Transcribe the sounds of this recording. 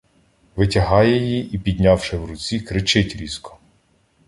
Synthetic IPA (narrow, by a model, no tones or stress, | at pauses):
ʋɪtʲɐɦɑjɛjiʔipʲid̪ʲnʲawʃɪwɾʊt͡sʲikɾɪt͡ʃɪtʲɾʲizkɔ̥